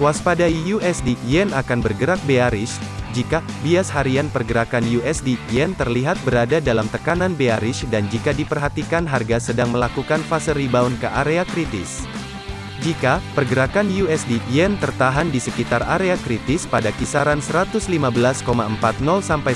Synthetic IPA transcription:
kuaspadaijuɛsdiɛnakanbərɡəɾak̚beaɾɪʃd͡ʒika | biashaɾianpərɡəɾakanjuɛsdiɛnt̪ərliɦat̪̚bəɾadadalamt̪əkananbeaɾɪʃdand͡ʒikadipərɦat̪ikanɦarɡasədaŋməlakukanfasəɾibaunkəʔaɾeakɾit̪ɪ̰s | d͡ʒikapərɡəɾakanjuɛsdiɛnt̪ərt̪aɦandisəkit̪araɾeakɾit̪ɪspadakisaɾansəɾat̪ʊslimabəlaskomaəmpat̪̚nɔlsampaj

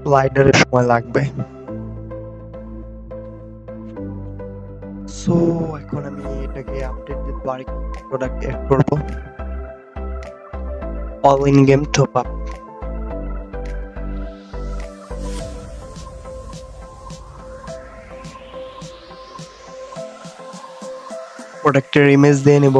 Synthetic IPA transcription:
lajdaɹɛʃɔmɔjlaɡ̚bɛ | soɛkʰɔnamietakɛaptetɛbaɹikpɹɔdak̚tɛ̰d̚kɔɹibɔ | ɔlinɡemtʰɔpap̚ | pɹɔdak̚tɛɹimezdianibɔ

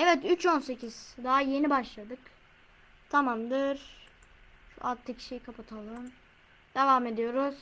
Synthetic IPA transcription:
ɛvɛt̪yt͡ʃonse̞cʰiz̥d̪aɦaje̞nibaʃlˠad̪ɯk | t̪ʰamamd̪ɯɾ̥ | a̰t̪ʰːɯcʃejkʰapʰat̪ʰalˠɯm | d̪̥evaːme̞d̪ijo̞ɾuz̥

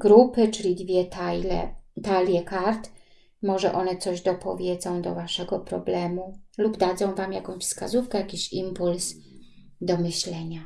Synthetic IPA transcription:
ɡɾupɘt͡ʂɘlʲid̪vʲjɛt̪ajlɛ̰t̪alʲjɛkaɾt̪ | mɔʐɛ̰ʔɔnɛt̪sɔʑd̪ɔpʰɔ̰vʲjɛd̪zɔ̃w̃d̪ɔ̰vaʂɛɡɔpɾɔ̰blɛmulubd̪ad̪zɔ̃w̃vamjakɔ̃w̃ɕʲfska̰zufkɛjakʲiɕimpuls | d̪ɔmɘɕlɛɲa

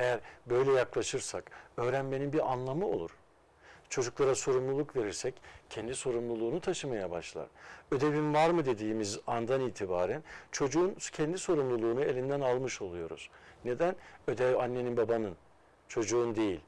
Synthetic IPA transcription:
e̞jæɾbø̞jlʲɛjaklˠaʃɯɾsakø̞ːɾænbe̞ninbiɾanlˠamɯo̞̰lˠṵɾ̥ | t͡ʃʰo̞d͡ʒuklˠaɾaso̞ɾumlˠulˠukve̞ɾiɾsɛccʰɛnd̪iso̞ɾumlˠulˠuːnut̪ʰaʃɯmajabaʃlˠa̰ɾ̥ø̞d̪e̞vimvaɾmɯd̪e̞d̪iːmizand̪aniːt̪ʰibaːɾænt͡ʃʰo̞d͡ʒuːncʰɛnd̪iso̞ɾumlˠulˠuːnue̞lʲind̪ænalˠmɯʃo̞lˠujo̞ɾṵz̥ne̞d̪ænød̪ɛvanːe̞ninbabanɯn | t͡ʃʰo̞d͡ʒuːnd̪e̞jilʲ

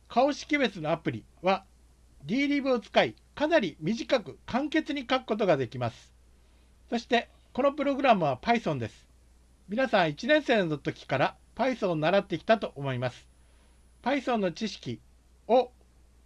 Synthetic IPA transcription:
kʰao̞ɕi̥kʲibe̞t͡sɨno̞apɯ̟ɾʲi | βa | dʲiːɾʲiːbɯ̟ot͡sɨ̥kai | kanaɾʲimʲiʑikakɯ̟kʰãŋke̞t͡sɨɲ̟ikakɯ̥ko̞t̪̬o̞ɡad̪e̞kʲimasɨ̥ | so̞ɕi̥t̪e̞ | ko̞no̞pɯ̟ɾo̞ɡɯ̟ɾamɯβapaisõ̞nd̪e̞sɨ̥ | mʲinasãɰ̃it͡ɕinẽ̞ɰ̃se̞ːnonot̪ːo̞kʲi̥kaɾa | paisõnːaɾat̪ːe̞kʲi̥t̪at̪o̞ʔomo̞imasɨ̥ | paisõ̞nːo̞t͡ɕiɕi̥kʲi | o̞

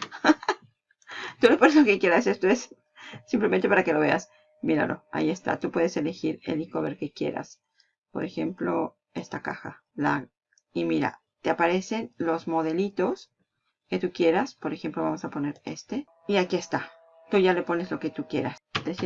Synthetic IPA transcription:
t̪ule̞po̞neslo̞kekje̞ɾase̞st̪oes | sːimplement̪epaɾake̞lo̞βe̞as | miɾa̰lo̞̰a̰ie̞st̪a̰t̪upweðese̞le̞xiɾe̞̰liko̞βe̞ɾke̞kje̞̰ɾa̰s | po̞̰ɾe̞xe̞mplo̞ | e̞st̪akaxa̰ | la̰ | imiɾa̰ | t̪e̞apaɾe̞se̞nlo̞zmo̞ðe̞lit̪o̞s | ke̞t̪ukje̞ɾaspo̞ɾe̞xe̞mplo̞βamo̞sapo̞ne̞ɾe̞̰st̪e | iakie̞st̪a | t̪uʝalepo̞ne̞zlo̞ke̞t̪ukje̞ɾast̪es

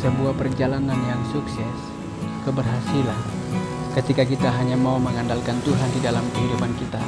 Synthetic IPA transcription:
səbuahpərd͡ʒalananjaŋsuksɛs | kəbərɦasilankət̪ikak̬it̪aɦaɲamauməŋandalkant̪uɦandidalamkəɦidupankit̪a

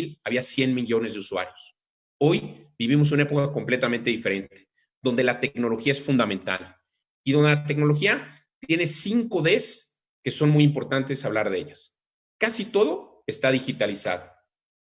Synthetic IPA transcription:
laβiasje̞nmiʝo̞nezðe̞uswa̰ɾjos | o̞jbiβimo̞s̬unae̞po̞kako̞mple̞t̪amẽnt̪e̞ðife̞ɾe̞nt̪e̥ | ðond̪e̞lat̪e̞kno̞lo̞xiae̞sfund̪ament̪a̰l | iðond̪elat̪̬eknoloxia | t̪je̞ne̞siŋko̞ðe̞s | ke̞so̞nmujimpo̞ɾt̪ant̪e̞saβlaɾðee̞̰ʝas | kasit̪o̞ðo̞ | e̞st̪aðixit̪alisa̰ðo

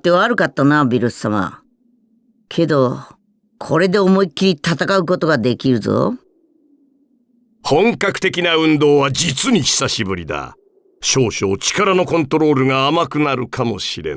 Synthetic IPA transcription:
t̪ːe̞βaːɾɯ̟kat̪ːanabʲiɾɯsɨ̥sama̰ | kʰe̞d̪o̞ | kʰo̞ɾe̞d̪e̞omo̞ikʲːiɾʲit̪at̪akaɯ̟ko̞t̪o̞ɡad̪e̞kʲiɾɯ̟zo̰ | hõ̞ŋkakɯ̟̥t̪e̞kʲinaɯ̟̃nd̪o̞ːβad͡ʑit͡sɨɲ̟içi̥saɕibɯ̟ɾʲid̪a̰ | ɕo̞ːɕo̞ːt͡ɕi̥kaɾano̞kõ̞nt̪o̞ɾo̞ːɾɯ̟ŋaːmakɯ̟naɾɯ̟kʰamo̞̰ɕiɾe̞̰n

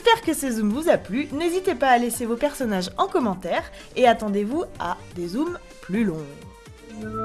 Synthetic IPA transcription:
ɛspɛʁkəsezumvuzaplynezit̪epaːlesevopɛʁsɔnaʒɑ̃kɔmɑ̃t̪ɛːʁ | eat̪ɑ̃d̪evuad̪ezum | plylɔ̃ɡ

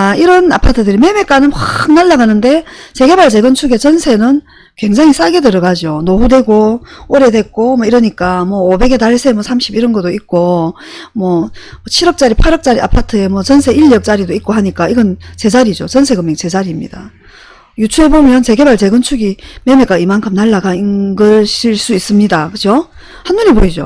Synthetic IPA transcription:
aiɾʌnapʰatʰɯdɯɾime̞mek͈anɯnɸwak̚naɭːaɡanɯnde̞t͡ɕe̞ɡe̞baɭt͡ɕe̞ɡɯnt͡ɕʰuɡe̞t͡ɕʌnsʰe̞nɯn | kwe̞ŋd͡ʑaŋis͈aɡedɯɾʌɡad͡ʑionoɸude̞ɡooɾe̞dwe̞k̚k͈omwʌiɾʌɲik͈amwʌːbe̞ɡe̞taɭsʰemwʌsʰamɕ͈ʰibiɾʌnɡʌt͈oik̚k͈o | mwʌt͡ɕʰiɾʌk̚t͡ɕ͈aɾipʰaɾʌk̚t͡ɕ͈aɾia̰pʰatʰɯe̞mwʌt͡ɕʌnsʰe̞iʎːʌk̚t͡ɕ͈aɾidoik̚k͈oɦaɲik͈aiɡʌnt͡ɕe̞d͡ʑaɾid͡ʑot͡ɕʌnsʰe̞ɡɯmeŋt͡ɕe̞d͡ʑaɾimɲḭda | jut͡ɕʰuebomjʌnt͡ɕe̞ɡe̞baɭt͡ɕe̞ɡɯnt͡ɕʰuɡimemek͈aimankʰɯmnaɭːaɡainɡʌɕiɭs͈uis͈ɯmɲidakɯt͡ɕʰo | hanmuneboid͡ʑo̰

